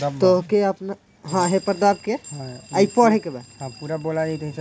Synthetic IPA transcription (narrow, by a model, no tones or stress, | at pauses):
t̪oɦkeəpna | ɦãɦepəɾd̪ab̚keɦajpɔɽ̤ɦɛkebaɦãpuɾabolanit̪ɦit͡ʃ